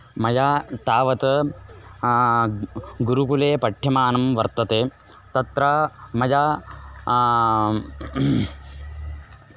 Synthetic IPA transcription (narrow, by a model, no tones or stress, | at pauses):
mɐjaːt̪aːʋɐt̪ɐ | ɡuɾukuleːpɐʈʰjɐmaːnɐmʋɐɾt̪ːɐt̪eː | t̪ɐt̪ɾɐmɐjaː